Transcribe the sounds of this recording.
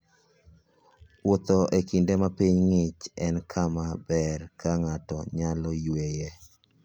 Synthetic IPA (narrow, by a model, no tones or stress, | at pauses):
wot̪ɔʔekindemapiɲŋɪt͡ʃɛnkʰamabɛrkaŋatɔ̰ɲalɔjwejɛ